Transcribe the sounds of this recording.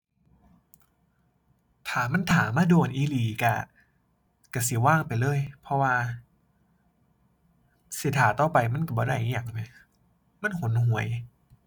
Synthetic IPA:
t̪ʰaː˨˩ma˧˥˨nt̪ʰaː˨˦mːaː˧˥˨doː˧˩nʔiː˧˨liː˨˩ka˧˩ | ka˧˩si˧˦waː˥˩ŋpa˨jlɤː˧˥˨jpʰɔ˧waː˧ | si˧˦t̪ʰaː˨˩˦t̪ɔː˧˩pa˨˩jma˧˥˨nka˧˩bɔː˨˦ɾa˧˥˩jʔi˧˥ja˨˩ŋna˧˦ | ma˧˥˨nho˨˦nhu˨˩˦əj

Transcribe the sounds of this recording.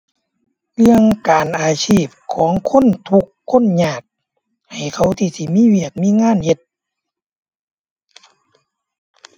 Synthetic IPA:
lɯ˧əŋkaː˨nʔaː˨˩sʰiː˧˥˩p̚kʰɔː˨˩˦ŋkʰo˧˥˨nt̪ʰu˧kʰːo˧˥˨nɲaː˧˩k̚ | ha˨˩jkʰa˧˥˩wt̪ʰiː˧˩si˧˩miː˧˥˨wi˧˩ək̚miː˧˥˨ŋaː˧˥˨nhe˧t̪̚

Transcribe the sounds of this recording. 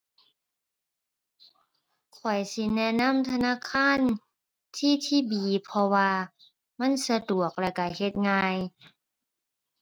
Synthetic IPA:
kʰɔ˨˩jsi˧˦nɛ˧˥na˧˥˨mt̪ʰa˧naː˧˥˨kʰaː˧˥˨n | t̪ʰiː˧˥˨t̪ʰiː˧˩˨biː˨˦pʰɔ˧waː˧ | ma˧˥˨nsa˧du˨˩ək̚lɛ˧˩ka˧˩he˧˦t̪̚ŋaː˧j

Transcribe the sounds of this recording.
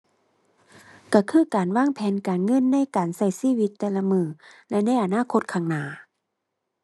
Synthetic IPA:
ka˧˩kʰɯː˧˥˨kaː˨nwaː˥˨ŋpʰɛː˨˦nkaː˨nŋɤ˧˥˨nːa˧˥˨jkaː˨˩nsa˧˩jsiː˧˨wi˧˥t̪ːɛː˧la˧mɯː˧˩lɛ˧na˧˥˩jʔa˨˩naː˧˥˨kʰo˧t̪̚kʰaː˧˩ŋnaː˨˩

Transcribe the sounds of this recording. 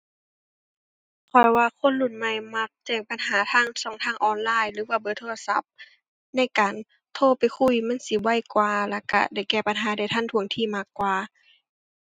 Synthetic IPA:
kʰɔ˧˩jwaː˧kʰo˧˥˨nlu˧˩˨nma˧˩jma˧k̚t͡ɕɛː˧˩k̚pa˨nɦaː˨˦t̪ʰaː˧˥˨ŋsɔː˨˩˦ŋt̪ʰaː˧˥˩ŋʔɔː˧nlaː˧˥˨jlɯː˨˦waː˧bɤː˨˦t̪ʰoː˧la˧sa˧˦p̚ | na˧˥˨jkaː˨n | t̪ʰoː˧˩pa˨˩jkʰu˧˥˩jma˧˥˨nsi˧˦wa˧˥˨jkwaː˧la̰˧˩ka̰˧da˧˩jkɛː˧˩pa˨nɦaː˨˦da˧˩jt̪ʰa˧˥˨nt̪ʰu˧˦əŋt̪ʰiː˧˩maː˧˩kːwaː˧

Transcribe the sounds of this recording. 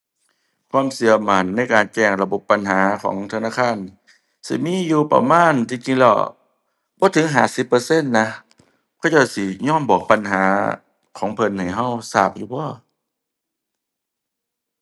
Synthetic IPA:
kʰwaː˧˥˨msi˨˧˦ɐma˨˩nːa˧˥˨jkaː˨˩nt͡ɕɛː˧˩ŋla˧bo˧˦pːa˨nɦaː˨˩˦kʰɔ̰ː˨˦ŋt̪ʰa˧naː˧˥˨kʰaː˧˥˨n | sḭ˧˦miː˧˥˨juː˧pa̰˧maː˧˥˨nt̪ʰiː˧˨ki˧ŋlɔ̰˧˩ | bɔː˧˦t̪ʰɯ˨˦ŋɦaː˨˩si˧˦pːɤː˧˦se˧˥˨nːa˧ | kʰa˧˩t͡ɕa˧˩si˧˦ɲɔː˧˥˨nbɔː˨˩k̚pa˨nɦaː˨˩˦ | kʰɔː˨˦ŋpʰɤ˧˥˨nha˨˩jɦa˧˥˨wsaː˧˩p̚juː˧˩bɔː˧˥˨

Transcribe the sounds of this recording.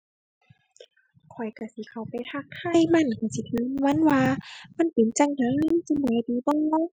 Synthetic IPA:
kʰɔ˨˩jka˧˩si˧˦kʰa˧˩wpa˨jt̪ʰa˧˩kt̪ʰa˧˥˨jma˧˨nka˧˩si˧˦t̪ʰɯː˨˦n˧wa˧˥˨nwaː˧ma˧˨npe˨˩˦nt͡ɕa˧˨ŋna˧˥ŋi˧˨˧si˧˦mbɔː˨˦diː˨˦bɔː˧˨

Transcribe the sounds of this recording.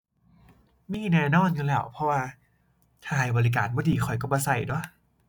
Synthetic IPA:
miː˧˥˩nɛː˧nɔː˧˥˩nka˧nlɛː˧˩wpʰɔ˧˥waː˧ | t̪ʰaː˧˩˨jbɔː˧li˦˧k̬aː˨˩n̚bɔː˧˦diː˨˦xʰɔ˨˩jkɔː˧˩bɔː˧sa˨˩jdɔ˧˦

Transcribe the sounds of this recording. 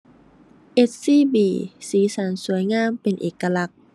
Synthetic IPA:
ʔe˧˦˥t̚siː˥˩˨biː˧˩siː˨˦sa˨˩˦nsu˩˦əjŋaː˧˥˨mpe˨˩nʔḛː˨˩ka˧la˦˥k̚

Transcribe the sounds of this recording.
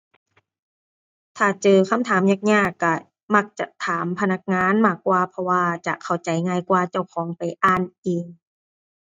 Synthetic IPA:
t̪ʰaː˧˩t͡ɕɤː˧kʰa˧˥˨mt̪ʰaː˨˦mɲaː˧˩k̚ɲaː˧˥˩kːa˧˩ | ma˧˩k̚t͡ɕa̰˧t̪ʰaː˩˦mpʰa˧na˧˩k̚ŋaː˧˥˨nmaː˧˩kːwaː˧pʰɔ˧waː˧t͡ɕa̰˨˩ʔkʰa˨˩wt͡ɕa˨˦jŋaː˧jkwaː˧t͡ɕa˧˩wkʰɔː˩˦ŋpa˨jʔaː˧˩nʔiː˨˧ŋ

